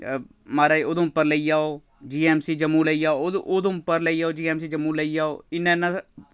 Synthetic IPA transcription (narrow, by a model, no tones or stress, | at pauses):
maːɾaːioːd̪õːpːəɾləiːjaːoː | d͡ʒiːɛːmsiːd͡ʒəmːuːləiːjaːoʔoːd̪õpəɾləijaːoːd͡ʒiːɛːmsiːd͡ʒəmuːləiːjaːoːɪnːɛ̃ːnã